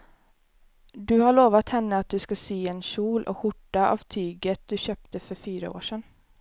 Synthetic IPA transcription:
d̪ɵhaɭoːʋat̪hɛnːəat̪̚d̪ɵskasyːɛnɕuːlʔɔ̰ɧʊʈːaʔa̰vt̪ʰyːɡət̪̚d̪ɵɕøːp̚t̪əfœɾfyːɾə̰o̰ːʂɛn

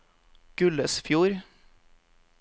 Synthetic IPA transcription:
ɡ̥ʉləsfjuːɾ

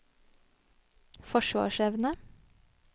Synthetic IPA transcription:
fɔʃʋɑ̰ːʃɛʋnə

